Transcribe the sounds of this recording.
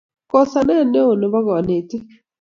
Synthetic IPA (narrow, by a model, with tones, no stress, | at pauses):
kɔ˨sa˨nɛ˦˨nːe˦o˨no˨bɔ˦ɡɔ˨ne˨tɪ˦